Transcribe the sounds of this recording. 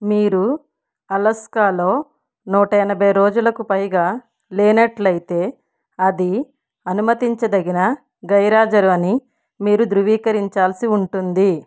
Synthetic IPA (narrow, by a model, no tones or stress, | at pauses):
miːɾu | ɐlɐskaːlo̞ː | nuːʈɐjɐnɐbɐjɾoːd͡ʒulɐkupɐjɡaː | lɛːnɐʈlɐjit̪e̞ː | ɐd̪i | ɐnumɐt̪iɲt͡ʃɐd̪ɐɡinɐ | ɡɐjɾaːd͡ʒɐɾuɐni | miːɾud̪ɾuʋiːkɐɾiɲt͡ʃaːlɐsiuɳʈund̪i